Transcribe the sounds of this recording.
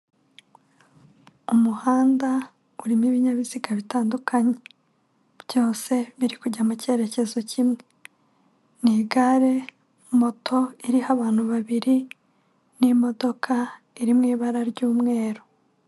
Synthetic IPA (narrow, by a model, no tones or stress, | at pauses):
umuhaːnda | uɾimiβiɲaβiziɡaβitaːndukʰaɲe | bjo̞ːse̞βiɾikuɟamuce̞ːɾe̞cezo̞cʰimŋe̞ | niɡaɾe̞ | mo̞tʰo̞iɾihaβaːn̥uβaβiɾi | nimo̞do̞kʰa | iɾimŋiːβaɾaɾɟuːmŋe̞ːɾo